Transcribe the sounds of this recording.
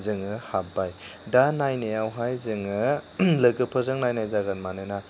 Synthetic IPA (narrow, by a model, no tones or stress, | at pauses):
zɯŋɯhabajdanajnejawɦajzɯŋɯlɯɡɯpʰɯzɯŋnajnajzaɡanmanɯna